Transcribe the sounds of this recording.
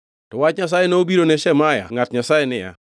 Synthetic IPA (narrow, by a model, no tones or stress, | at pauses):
tɔwat͡ʃɲas̬ajenoobiɾonɛʃɛmaja̰ŋatɲasajenɪja̰